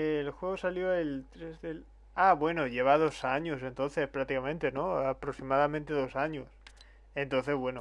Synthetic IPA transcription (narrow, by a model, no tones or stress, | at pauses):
elxwe̞ɣosaljo̞elt̪ɾezðel | aβwe̞noʝe̞β̞að̞o̞saɲose̞nt̪o̞nθe̞spɾak̚t̪ikamẽnt̪e̞no̞apɾoksimaðamẽnt̪eðo̞saɲos | ent̪o̞nθe̞zβwe̞no